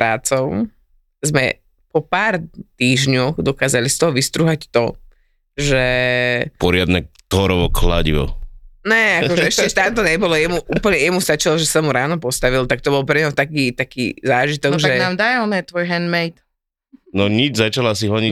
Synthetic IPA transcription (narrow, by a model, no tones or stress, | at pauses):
pɾaːt͡sɔʊ | zmɛ̰ | pɔpaːɾt̪iːʒɲɔɣd̪ɔkaːzalist̪ɔɦɔʋist̪ɾuɦact̪ɔ | ʒɛpɔɾɪad̪nɛt̪ɔɾɔʋɔkla̰ɟḭʋɔ̰nɛakɔʒɛɛʃcɛʃt̪amt̪ɔɲɛbɔlɔjɛmuʔuːpl̩ɲɛjɛmust̪at͡ʃilɔʒɛsamuɾaːnɔpɔst̪aʋilt̪ak̚t̪ɔbɔlpɾɛɲɔʊt̪akiːt̪akiːzaːʒit̪ɔɡʒaɛɡnaːmd̪ajɛlnɛt̪ʋɔjɦɛnmɛjt̪ | nɔɲid͡ʒzat͡ʃalasiɦlɔɲi